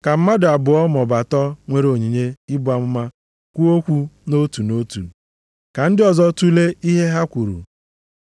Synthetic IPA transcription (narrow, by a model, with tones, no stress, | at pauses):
ka˨m̩˦ma˦da˨bʊ˨ɔ˦mɔ˨ba˨tɔ˦ŋʷe˦ɾo˨ɲi˨ɲe˦ɪ˦bʊ˨˦a˨mʊ˦ma˦ | kʷu˦o˦kʷu˦no˦tu˨no˦tṵ˨ | ka˨n̩˦dɪ˦ɔ˨zɔ˦tu˦le˦i˦ɦe˦ɦa˦kʷu˨ɾṵ˨